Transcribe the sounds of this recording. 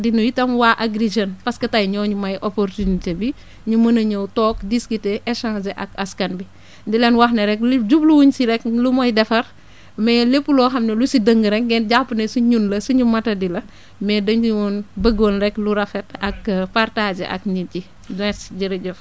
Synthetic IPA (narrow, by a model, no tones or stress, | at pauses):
dinujitɐmwaːʔaɡɾid͡ʒɐnpɐskɐtajɲɔːɲumɐjʔopoɾtunitebi | ɲumɐnɐɲəwtɔːkdiskiteʔɛʃãːsɛʔɐkɐskɐnbi | dilɛnwɐxnɐɾɛklɟubluwuɲsiɾɛk̚lumɔjdɛfɐɾ | mɛlepːulɔːɦɐmnelusidəŋɡəɾɛŋɡɛnɟapːunesuɲunlɐsuɲumɐtɐdilɐ | mɛːdɐɲuwunbəɡoːnɾɛkluɾɐfɛt̚ɐkpaɾtaːd͡ʒḛʔɐ̰kɲuci | dɛsɟiɾɐɟuf